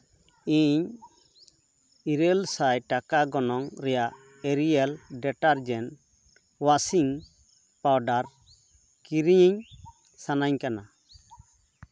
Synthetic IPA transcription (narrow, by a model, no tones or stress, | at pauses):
iɲ | iɾelsajʈakaɡɔnɔŋɾɛjaʔ | eɾialɖɛʈaɾd͡ʒɛn | wasiŋ | pawɖaɾ | kiɾiɲiɲ | sanaɲkana